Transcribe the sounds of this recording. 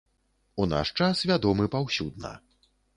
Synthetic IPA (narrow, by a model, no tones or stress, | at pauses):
una̰ʂt͡ʂasvʲad̪ɔmɨpawsʲud̪nɐ̰